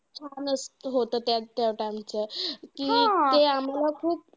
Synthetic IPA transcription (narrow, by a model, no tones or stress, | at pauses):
kʰanəsɦot̪əːt̪at̪jaʋʈãŋɡt͡ɕekiat̪eam̤alakʰuːp̚